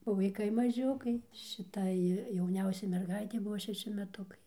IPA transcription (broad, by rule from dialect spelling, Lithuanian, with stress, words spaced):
oː ʋɐɪˈkɐɪ mɐˈʒʲʊkɐɪ ʃʲɪˈtɐɪ jɛʊˈnʲɛʊsʲɛɪ mʲɛrˈɡɐɪtʲɛɪ ˈbʊʋoː ʃʲɛˈʃʲɪ mʲɛˈtʊkɐɪ